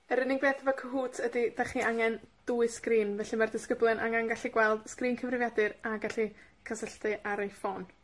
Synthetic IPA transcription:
əɾənɪŋbeːθəvɔkʰəɦuːtʰədid̥aχiʔaŋɛnd̥uɨskriːnvɛɬimardɪskəblˠɨnʔa̰ŋanɡaɬiɡwɛlˠd̥skriːnkʰəvrɪvjadɨɾaɡaɬikʰasəɬtɨʔaɾejfɔn

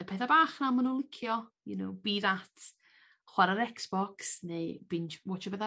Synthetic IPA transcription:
əpʰɛθabaːχnamənulˠɪkʰjɔjṵno̰wbiːðat | χwaɾaɾɛksb̥ɔksnebɪnwɔt͡ʃəbɛða

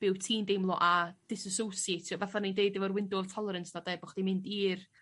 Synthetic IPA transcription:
b̥ɪwtʰiːndejmlˠɔʔad̥ɪsəsowsjetʰiɔvaθanindeɨdɪvɔrwɪndʊvtʰɔlˠəɾənsnadabʊχd̥imɪndiːr

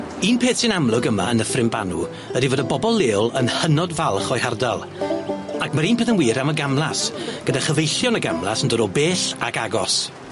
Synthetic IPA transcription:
iːnpʰeːθsɪnamlˠʊɡəma̰ənəfrɪmba̰nṵ | ədivoːdəbɔbɔlˠːeːʊlˠənhənɔdvalˠχɔjhardalˠ | akʰmaɾiːnpeːðənwiːɾaməɡamlˠasɡ̥ədaχəvejɬjɔnəɡamlˠa̰səndɔɾɔbeːɬa̰kaɡɔs

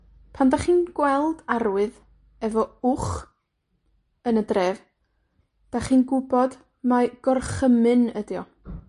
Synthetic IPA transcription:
pʰandaχiːnɡ̥wɛlˠdaɾwɨð | ɛvɔʊχ | ənədrev | d̥aχiːnɡʊbɔd | maɡ̥ɔrχəmɨnədjɔ

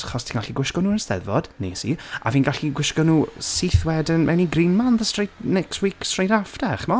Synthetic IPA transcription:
χɔstʰiːnɡaɬiɡwɪʃkɔnuːənsðɛ̰ðvɔd̥nḛːsia̰viːnɡaɬiɡwɪʃkɔnuːsiθwɛdənmʔɛniɡrɪnmanðəstrejdnɛkstwiːkstr̥ejdafdɛχmɔ

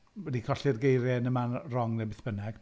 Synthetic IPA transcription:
ɛdikʰɔɬɪrɡejɾɛnəmarɔŋnɛbɪθb̥ənɛɡ̥

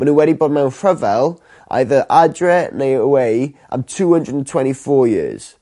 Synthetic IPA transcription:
wə̃nəwɛɾibɔmajõnfɹəvɛlˠ | ʔa̰ɪðəʔadɹɛneɪəweɪʔã̰ɪ̃mtʰuːhə̃ndɹədən̩tʰw̥ɛ̃ntifɔːjɪ̰əz̥

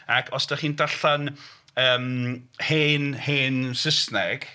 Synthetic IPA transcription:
akʰɔsd̥aχiːndaɬan | əːmheːnheːnsəsnɛɡ̥

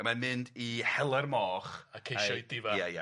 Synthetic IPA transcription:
mamɨndihɛlˠarmɔːχakʰejʃɔjdɪvajaja̰

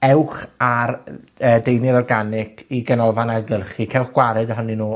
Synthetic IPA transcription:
ɛwχar | əːdejnɨðɔrɡanɪkʰiɡɛnɔlˠvanaɡəlˠχikʰɛwχɡ̥waɾɛdəɦɔninuː

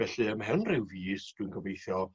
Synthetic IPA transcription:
ɛɬɨəmɦɛnrɪwviːsd̥wɨnɡəvejθjɔ

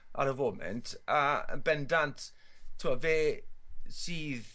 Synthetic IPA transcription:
ʔa̰ɾəvoːmɛ̰ntʰaə̰nbɛndantʰ | tʰuaveː | siːð

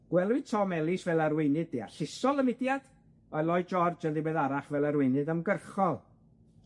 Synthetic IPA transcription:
ɡ̥wɛlˠwɨtʰɔmɛlˠɪsvɛlˠarwɪnɨd̚ea̰ɬɪsɔlˠəmɪdjad̥ | ɔɨlˠɔjd͡ʒɔrd͡ʒəlˠdibeːðaɾaχvɛlˠaɾwɪjnɨdəmɡərχɔlˠ

